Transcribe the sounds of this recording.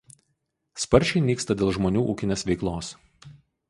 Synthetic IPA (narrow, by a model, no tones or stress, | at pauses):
spɐɾʲt͡ʃʲɛɪnʲiːkst̪ɐd̪ʲeːlˠʒmonʲuːʔuːkʲɪnʲeːsʋʲɛɪklˠoːs